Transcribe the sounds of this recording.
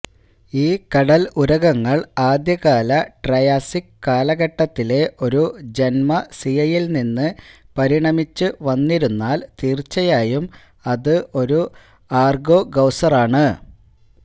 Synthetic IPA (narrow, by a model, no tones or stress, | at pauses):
iːkɐɽɐluɾɐɣɐŋːɐɭaːd̪jɐɣaːlɐʈrɐjaːsikːaːlɐɣɐʈːɐt̪ːile̞ʔo̞ɾud͡ʑe̞nmɐsijɐjilninːɨ | pɐɾiɳɐmit͡ɕːɨʋɐnːiɾunːaːlt̪iːrt͡ɕːɐjaːjum | ɐðɨʔo̞ɾu | aːrɡo̞ːɡɐwsɐraːɳɨ